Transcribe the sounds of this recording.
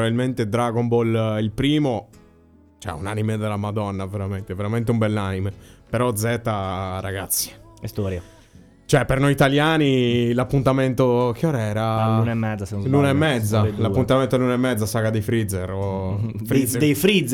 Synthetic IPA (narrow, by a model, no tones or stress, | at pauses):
ɾabilment̪ed̪ɾaɡombolilpɾiːmo | t͡ʃɛ̰ṵnanimed̪elamad̪ɔnːaveɾament̪eveɾament̪eumbɛlːaːnimepeɾɔd̪zɛt̪aɾa̰ɡat̪sːi̥ɛst̪oːɾja | t͡ʃoɛpːeɾnojit̪aljaːnilapːunt̪ament̪okjɔɾɛːɾalunaɛmːɛd̪zːaslunaɛmːɛd̪zːalapːunt̪amẽnt̪olunaɛmːɛd̪zːasakad̪efɾid̪zɛɾ | fɾizd̪efɾiz